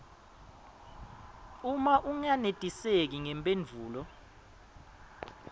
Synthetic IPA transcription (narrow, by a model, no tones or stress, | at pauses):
umaʔuŋanetʼisek̬iŋɛmpʼend͡vʱuːlɔ